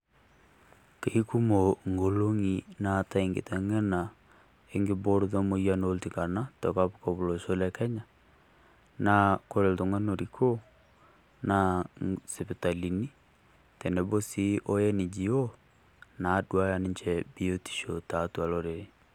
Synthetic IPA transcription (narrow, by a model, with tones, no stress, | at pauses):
ke˨i˦ku˦mo˨ŋɡo˨lo˦ŋi˨na˨ta˦i˨ŋɡḛ˨tɛ˨ŋɛ˦na˨ | e˦ŋɡe˨bo˦ɾu˨ðɔ˦mo˨ia˦no˦lti˨ka˨na˦tɔ˨ka˦pu˦ka˨βo˨lo˨ʃo˦lɛ˦kɛ˦ɲa˨ | na˨ko˦ɾe˨lto˨ŋa˦no˨ɾi˨kʰo˦ | na˨sɛ˨pe˨ta˨li˨ni˦ | tɛ˨nɛ˨bo˦si˦ʔo˦jɛ˦ni˨d͡ʒi˨o˦ | na˨˦dwa˦ja˨ni˦ɲt͡ʃɛbi˦o˦ti̥˨ʃo˨ta˨tu˨a˨lɔɾe˨ɾe˨